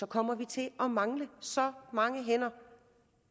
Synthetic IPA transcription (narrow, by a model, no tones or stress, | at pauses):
ɒ̽kʰɒ̽m̰ɐʋit͡sʰe̝ʔɒ̽mɑ̈ŋləsɒ̽mɑ̈ŋəɦen̰ɐ